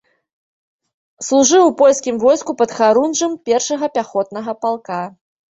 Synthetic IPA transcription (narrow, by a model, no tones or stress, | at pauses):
slˠuʐɨwpɔlʲskʲimvɔjskupɐt̪xaɾunʐɐmpʲɛrʂɐɣɐpʲaxɔt̪̚nɐɣɐpalˠka